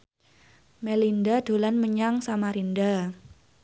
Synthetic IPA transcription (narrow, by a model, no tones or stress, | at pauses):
melindad̥o̤lanməɲaŋsamaɾinda